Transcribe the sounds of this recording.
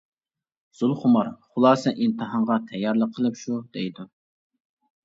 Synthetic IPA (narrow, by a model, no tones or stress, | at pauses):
z̥ulˠχʊmɑɾχʊlˠɑːsɛʔint̪ʰɨɦɑɴʁɑt̪ʰɛjːɑɾlˠəqʰəlˠɨpʃud̪ɛjd̪u